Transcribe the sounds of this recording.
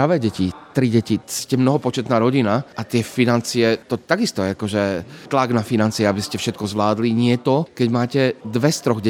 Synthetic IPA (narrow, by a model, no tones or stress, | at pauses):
ɾaʋɛːɟɛcit̪ɾiɟɛciscɛmnɔɦɔpɔt͡ʃɛt̪naːɾɔɟinaʔat̪ɪɛfinant͡siɛt̪ɔt̪aɡist̪ɔjɛakɔʒɛt̪laɡnafinant͡siɛabiscɛfʃɛt̪̚kɔzʋlaːd̪liɲɪɛt̪ɔkɛɟmaːcɛd̪ʋɛst̪ɾɔɣɟɛ